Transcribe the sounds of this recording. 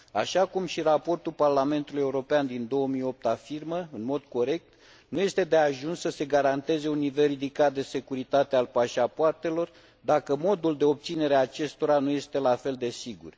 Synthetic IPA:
aʃakumʃiɾapo̞rt̪ulparlame̞nt̪ulujeuɾo̞peand̪ind̪o̞wəmijo̞p̚t̪afirməɨnmo̞d̪̥̚ko̞ɾe̞k̚t̪ | nuje̞st̪e̞d̪e̞aʒunssəse̞ɡaɾant̪e̞ze̞unːive̞lrid̪ikat̪̚d̪e̞se̞kuɾit̪at̪e̞alpaʃapoart̪e̞lo̞r | d̪akəmo̞d̪uld̪eo̞p̚t̪sine̞ɾeat͡ʃe̞st̪o̞ɾanuje̞st̪e̞lafe̞ld̪e̞siɡṵr

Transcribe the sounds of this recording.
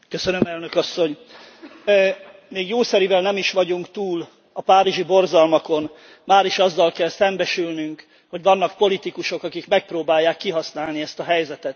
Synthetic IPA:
køsønømɛlnø̞kɒsːo̞ɲ | meːɡjoːsɛɾivɛlnɛmiʃʋɒɟuŋkt̪uːl | ɒpaːɾiʒibo̞rzɒlmɒko̞n | maːɾiʃɒzːɒlkɛlsɛmbɛʃylnyŋk | ho̞ɟʋɒnːɒkpo̞lit̪ikuʃo̞kɒkikmɛk̚proːbaːjːaːkːiɦɒsnaːlniɛst̪ɒɦɛjzɛt̪ɛt̪

